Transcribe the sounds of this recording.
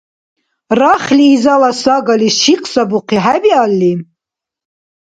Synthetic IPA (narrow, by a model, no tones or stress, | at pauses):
raχliːzalasaɡaliʃiqʼsabuqʰiħabialːi